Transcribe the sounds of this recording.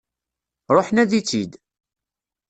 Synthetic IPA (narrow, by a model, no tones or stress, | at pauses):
ɾˤoħnæðit͡sːid̪